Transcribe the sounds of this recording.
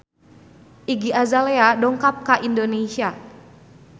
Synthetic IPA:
ʔiɡiazaleadɔŋkap̚kaʔindonesia

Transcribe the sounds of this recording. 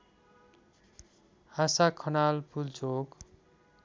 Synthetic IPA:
hasakʰʌnalpult͡sok

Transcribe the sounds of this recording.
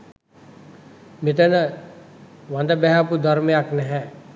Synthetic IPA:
mit̪ənə | ʋand̪əbɛɦapud̪ʱaɾmejaknɛɦɛ

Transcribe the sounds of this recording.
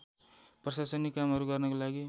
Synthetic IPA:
prʌsasʌnikamɦʌɾuɡʌrnʌkolaɡi

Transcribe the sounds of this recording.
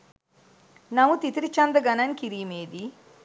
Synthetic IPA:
nɐʋut̪it̪ɾit͡ʃɐnd̪əɡɐnɐnkiɾiːmeːd̪i

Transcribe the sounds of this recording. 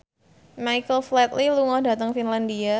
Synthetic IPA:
majkəlflɛt̪̚liluŋɔda̤t̪əŋfinlandia

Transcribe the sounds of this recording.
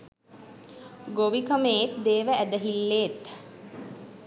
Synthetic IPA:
ɡoʋikəmeet̪d̪eːʋəʔæd̪əɦilːeːt̪

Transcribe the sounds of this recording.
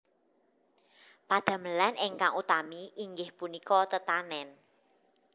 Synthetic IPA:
pad̪̥a̤məlanʔɪŋkaŋut̪amiʔiŋɡɪhpunikɔt̪ət̪anɛn

